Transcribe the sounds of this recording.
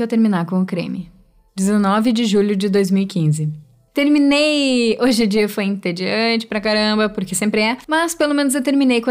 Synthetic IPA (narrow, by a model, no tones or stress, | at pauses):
ewt̪eɾmĩnaɾkõʊkɾḛ̃mɪ | d͡ʒɪzenɔvɪd͡ʒɪʒuʎʊd͡ʒɪd̪ojzmiwikĩzɪ | t̪eɾmĩnejoʒɪ̃d͡ʒiɐefojĩnt̪ed͡ʒiɐ̃t͡ʃɪ̥pɾɐkaɾɐ̃mbɐpʊɾkɪsẽmpɾɪɛmɐspelomẽnʊzewt̪eɾminejkɐ̃